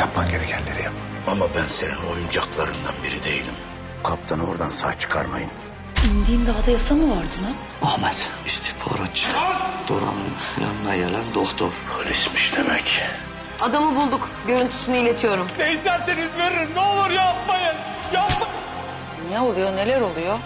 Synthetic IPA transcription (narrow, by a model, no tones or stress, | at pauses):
japmanɟe̞ɾecʰɛnlʲeɾijapma | amabænse̞nino̞jund͡ʒaklˠaɾɯnd̪anbiɾid̪e̞jilʲim | kʰap̚t̪ʰano̞ɾd̪ansa̰ːt͡ʃʰɯ̥kʰa̰ɾma̰jɯm | ind̪iːnd̪aɦad̪ajasamɯvaɾd̪ɯna | ohmazist̪ʰi̥fʰo̰ɾat͡ʃd̪̥oɾa̰nnja̰nɯnajelʲænd̪oxt̪ʰoɾɾismiʃd̪emɛc | ad̪amɯbulˠd̪uk | ɟø̞ɾynt̪ʰy̥synyilʲe̞t̪ʰijo̞ɾumd̪eisæɾt̪enizve̞ɾiɾnɛolˠuɾjapmajɯn | jasa | nɛo̞lˠujone̞lʲæɾo̞lˠujo